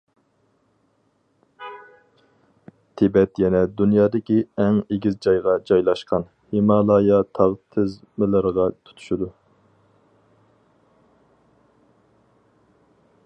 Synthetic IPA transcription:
t̪ʰebɛt̪jɛnɛd̪unjɑːd̪ɨkʲiɛŋeɡʲizd͡ʒɑjʁɑd͡ʒɑjlˠɑʃqʰɑn | hemɑːlˠɑːjɑt̪ʰɑʁt̪ʰɪz | mɨlˠəɾəʁɑt̪ʰu̥t̪ʰu̥ʃud̪u

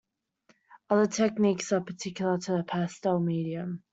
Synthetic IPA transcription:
ʌðətʰɛk̚niˑksəpʰətʰɪkjl̩ˠətʰəəpʰaˑstɛlˠmiːɾiə̃m

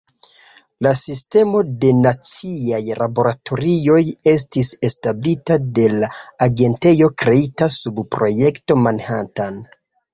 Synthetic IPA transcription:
lasiste̞mo̞de̞nat͡siajlabo̞ɾatʰo̞ɾio̞je̞s̬tise̞stablitade̞laːɡe̞nte̞jo̞kɾe̞itasubpɾo̞je̞kto̞manhatan

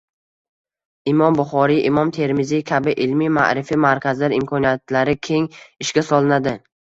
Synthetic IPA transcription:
ɪmɒmbʊχɒɾiʔɪmɒmt̪ʰe̞ɾmɪzikʲʰabɪʔɪlmima̰ʔɾɪfimaɾkʲʰazlaɾɪmkʰɒnijat̪laɾɪkʲʰe̞ŋɪʃkʲasɒlˠɪnad̪ɪ

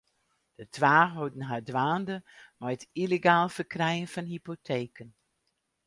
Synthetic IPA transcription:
d̥ətʰʋaːɦodn̩ɦadʋaːndəmɔjətileɡaːlˠfərkrɛjənfɔnhipotʰeːkən

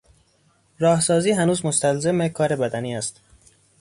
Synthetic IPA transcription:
ɾɒːhsɒːziːɦænuːzmost̪ælzemekʰɒːɾe̞bæd̪æniːæst̪

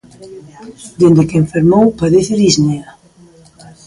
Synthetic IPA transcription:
d̪end̪ekeɱfeɾmowpaðeθeɾiznea

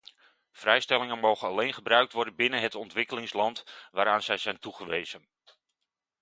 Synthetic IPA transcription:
v̥rɛjstɛlɪŋənmowχənɑlejnχəbrœɥk̚tʋɔɹdənbɪnənɦətɔntʋɪkəlɪŋslɑntʋaːɾaːnzɛjzɛjntuχəʋejzən

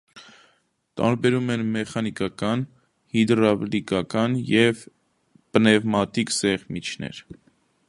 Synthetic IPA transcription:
t̪ɑ̰ɾbɛɾumɛnmɛχɑnikɑkɑn | hid̪ɾɑblikɑkɑnjɛv | pənɛvmɑt̪iksɛʁmit͡ʃʰnɛ̰ɾ

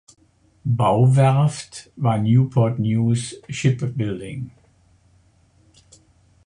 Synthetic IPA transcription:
baʊvɛɐftvaːɐnjuːpʰɔɐtnjuːsʃɪpbɪldɪ̰ŋ

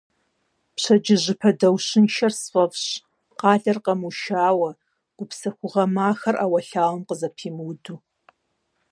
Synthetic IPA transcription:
pɕɐd͡ʒɪʑɪpʰɐdɐwɕɪnʃɐrsfɐvɕ | qɑːɮɐrqɐmuʃaːwɐ | ɡ̥ʷʊpsɐxʷʊʁɐmaːxɐrʔaːwɐɬaːwɐmqəzɐpʰiːmɨwduː

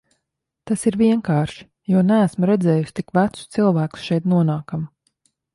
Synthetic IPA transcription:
t̪asiɾvʲiɛŋkaːɾʃi̥ | juɔnæːsmɾɛd̪zɛːjusʲt̪ikvæt̪su̥t̪silˠvæːku̥sʃɛjt̪nuɔnaːkam

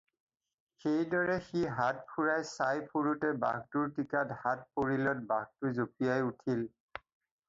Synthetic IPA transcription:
xejdɔɹɛxiɦat̚pʰuɹajsajpʰoɹutɛba̰ɡtʊɹtikathat̚poɹilɔt̚baɡ̚tʊzopijajutʰil

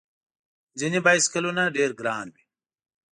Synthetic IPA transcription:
d͡ʑinibaːjskɐlunaɖeːɾɡɾaːnbi

